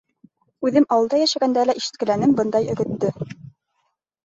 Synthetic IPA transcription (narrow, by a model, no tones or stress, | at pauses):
ʉðɘmɑwɤlˠd̪ɑjæʃæɡænd̪ælæʔiʃɘ̥̆t̪̚kɘ̆lænɘmbɤnd̪ɑjɵ̆ɡɵ̆t̪ːɵ